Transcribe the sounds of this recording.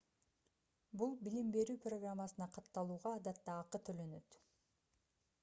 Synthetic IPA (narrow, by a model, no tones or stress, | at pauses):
bulˠbilimbe̞ɾyːproɡramːasɯnɑqʰɑt̪ːɑlˠuːʁɑːd̪ɑt̪ːɑːqɯt̪ʰølø̞nø̞t̪